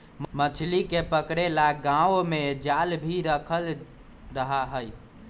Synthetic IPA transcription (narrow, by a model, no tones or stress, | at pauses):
mmət͡ʃʰlikepəkɾelaɡãomed͡ʒalbʱiɾəkʰəl | ɾəɦaɦəj